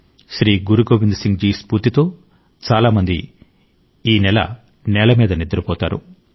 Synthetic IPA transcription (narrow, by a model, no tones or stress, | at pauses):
ʃɾiːɡuɾuɡoːʋind̪siŋɡd͡ʒiːspuɾt̪it̪o̞ː | t͡ʃaːlaːmɐnd̪ḭ | iːnɛlɐ̰ | nɛːlɐmiːd̪ɐnid̪ːɐɾupɔːt̪a̰ːɾṵ